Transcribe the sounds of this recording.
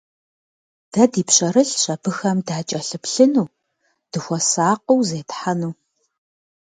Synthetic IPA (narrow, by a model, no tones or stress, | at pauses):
d̥ɐdiːpɕʼɐɾɨɬɕɐbɨxɐmdaːt͡ʃʼɐɬɨpɬɨnuː | d̥ɨxʷɔsaːq̚owzeːtħanuː